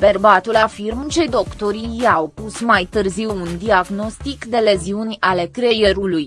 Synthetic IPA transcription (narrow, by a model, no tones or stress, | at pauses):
pe̞rbat̪ulafirmt͡ʃe̞jd̪o̞kt̪o̞ɾijawpusmajt̪ɨrziwund̪iaɡno̞st̪ikd̪e̞le̞ziunʲale̞kɾe̞je̞ɾuluj